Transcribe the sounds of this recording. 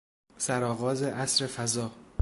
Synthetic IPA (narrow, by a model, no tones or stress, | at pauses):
sæɾɒːɣɒːzeʔæsɾe̞fæzɒː